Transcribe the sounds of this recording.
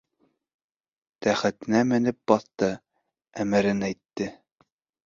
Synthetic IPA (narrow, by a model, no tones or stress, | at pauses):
t̪æχæt̪ɘ̆næmɘ̆nɘp̚bɑθt̪ɤ | æmɘɾɘnæjt̪ːɘ